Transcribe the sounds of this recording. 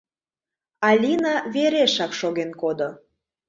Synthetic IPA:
ɑlʲinɑβeɾeʃɑkʃoɣenkod̪o

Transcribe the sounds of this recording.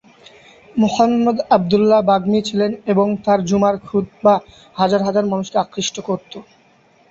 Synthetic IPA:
muhamːod̪ab̚d̪ulːabaɡmit͡ɕʰileneboŋt̪aɾd͡ʑumaɾkʰud̪̚ba | had͡ʑaɾɦad͡ʑaɾmanuʃkeakɾiʃʈokoɾt̪o

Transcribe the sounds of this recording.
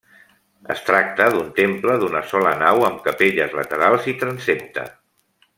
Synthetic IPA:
ə̰st̪ɾak̚t̪əðunt̪empləðunəsɔlənawəmkəpeʎəzlət̪əɾalˠzit̪ɾənsep̚t̪ə̰

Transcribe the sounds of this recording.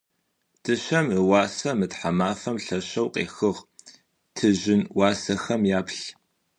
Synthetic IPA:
d̥ʰɨɕɐməwɑːsɐmɨtħamaːfɐmɬɐɕɐwqʼḛːxɨʁ | tʰɨʑɪnwɑːsɐxɐmjaːpɬ

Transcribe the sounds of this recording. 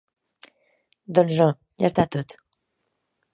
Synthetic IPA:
d̪ɔ̃nʒɑ̃ | ja̰st̪at̪ut̪

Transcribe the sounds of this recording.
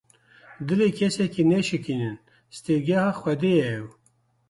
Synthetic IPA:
d̪ɨlekʰɛsɛkinɛʃɨkinɨn | st̪eɡahɑxwɛd̪ejɛːw

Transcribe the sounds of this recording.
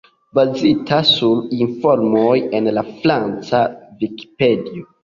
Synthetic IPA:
bazitʰasuɾinfoɾmoje̞nlafɾant͡saviki̥pe̞dio

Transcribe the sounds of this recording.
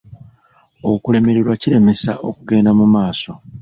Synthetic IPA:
okule̞me̞ɾeɾwaciɾe̞me̞sa̰ʔo̞̰kuɡe̞ːndamumaːso̞

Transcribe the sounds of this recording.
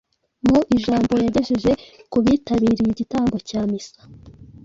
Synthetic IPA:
muʔiʒaːmbo̞jaɟe̞ʃeʒe̞kuβiːtaβiːɾijiɟitaːmbo̞caːmisḁ

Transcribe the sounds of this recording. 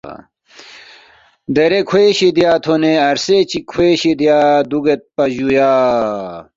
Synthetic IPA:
d̪ɐɾekʰweɕid̪ijaːt̪ʰoneɐɾset͡ɕikʰweːɕid̪jaːd̪uɡet̪̚pɐʑujaː

